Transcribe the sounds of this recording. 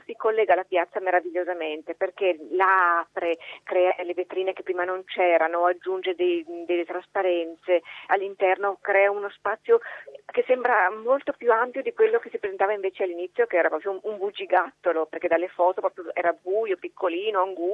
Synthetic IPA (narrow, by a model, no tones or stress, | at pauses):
sikolːɛːɡalapjat̪sːameɾaviʎːozament̪eperkelaaːpɾekɾɛːad̪elːevet̪ɾiːnekepːɾiːmanont͡ʃɛːɾanoad͡ʒːund͡ʒed̪ed̪elːet̪ɾaspaɾɛnt̪sealːint̪ɛrnokɾɛːaunospat̪sːjokesːɛmbɾamolt̪opjuampjod̪ikwelːokesipɾezent̪aːvaiɱveːt͡ʃealːinit̪sːjokeɛːɾapɾɔːpɾjouɱbud͡ʒiɡat̪ːoloperked̪alːefɔːt̪opɾɔpɾjoɛːɾabuːjopikʰːoliːnoaŋɡu